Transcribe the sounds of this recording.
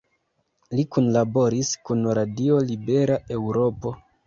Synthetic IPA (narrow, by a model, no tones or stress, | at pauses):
likunlabo̞ɾiskunɾadio̞libe̞ɾaʔe̞wɾo̞po̞